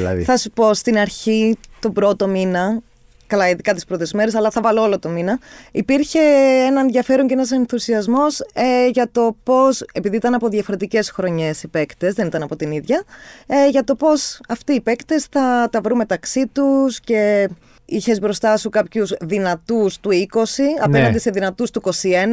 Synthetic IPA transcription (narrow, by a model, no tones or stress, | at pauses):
lɐ̰θɐsupo̞st̪inɐɾçit̪o̞bɾo̞t̪o̞minɐ | kɐlɐiðikɐt̪ispɾo̞t̪e̞zme̞ɾe̞sɐlɐθɐvɐloolo̞t̪o̞minɐipiɾçe̞enɐenðʝɐfe̞ɾoɲcenɐse̞nθusiɐzmo̞sʝɐt̪o̞po̞se̞piðiit̪ɐnɐpo̞ðʝɐfoɾet̪ice̞sxɾo̞ɲe̞sipe̞kt̪e̞zðe̞nit̪ɐnɐpo̞t̪iniðʝɐ | ʝɐt̪o̞po̞sɐft̪iːpe̞kt̪e̞sθɐt̪ɐvɾunme̞t̪ɐksit̪usce̞ | içe̞zbɾo̞st̪ɐsukɐpçuzðinɐt̪ust̪uiko̞siɐ̰penɐnd̪ise̞ðinɐt̪ust̪uiko̞sie̞nɐ